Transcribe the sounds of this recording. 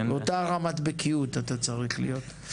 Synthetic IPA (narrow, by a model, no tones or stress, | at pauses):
otaʁamat̪bekʰiut̪at̪at͡saʁiχlḭjo̞t̪